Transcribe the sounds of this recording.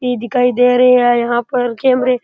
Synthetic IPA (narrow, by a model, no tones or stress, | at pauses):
id̪ɪkʰaːid̪eːɾəɦeajɐɦãːpəɾkeːmɾe